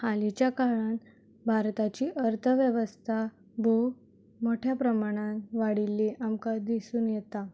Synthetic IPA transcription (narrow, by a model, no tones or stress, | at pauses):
halit͡ɕjakaɾəɳ | bʱaɾt̪at͡ɕiːʔəɾt̪ʰəʋjəʋəst̪ʰa | bʱu | moʈʰjapɾəmaɽ̃ãnʋaɽilːiʔamkad̪isuːnjɛt̪a